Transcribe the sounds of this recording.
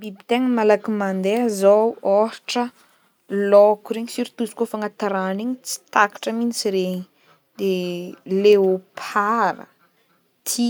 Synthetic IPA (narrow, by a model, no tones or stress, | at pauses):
bibit̪eŋəmalakimand̪eazowoʈ͡ʂə | lɔkuɾeɲisiɾit̪uzi̥kofaŋat̪aɾaniɲit͡si̥t̪akḁʈ͡ʂəminit͡siɾeɲi | d̪eleopʰaɾə̰ | t̪ʰi